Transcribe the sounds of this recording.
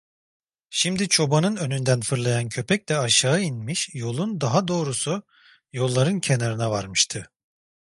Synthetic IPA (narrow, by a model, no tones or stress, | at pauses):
ʃimd̪it͡ʃʰo̞banɯnø̞nynd̪ænfɯɾlˠajancʰø̞pʰɛc̚lɛaʃaːɯinmiʃjo̞lˠund̪aɦad̪o̞ːɾusu | jo̞lˠːaɾɯncʰenaɾɯnavaɾmɯʃt̪ʰɯ